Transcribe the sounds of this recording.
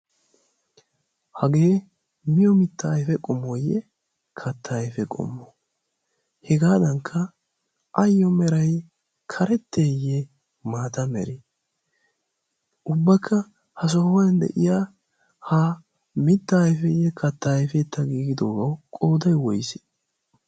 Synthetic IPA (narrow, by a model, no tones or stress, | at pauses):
hɐɡeː | mɪjɔmɪt̪ːɐːjfɛkʼɔmːɔjɛ | kʰɐt̪ːɐjfɛkʼɔ̰mːɔ | hɛɡaːd̪ɐŋkʰːɐ | ʔɐjːɔmɛɾɐj | kʰɐɾɛt̪ːeːjɛ | maːt̪ɐmɛ̰ɾi | ʔʊbːɐkʰːɐ | hɐs̬ɔhɔjɐnd̪ɛ̰ʔɪja | ha | mɪt̪ːɐːjfɛjːɛkʰɐt̪ːɐjfɛt̪ːɐɡiːɡɪd̪oːɡɐwkʼɔːd̪ɐjwɔjsɪ̥